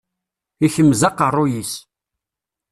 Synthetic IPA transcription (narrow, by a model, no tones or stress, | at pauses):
içəmːzɑqərˤːʊjis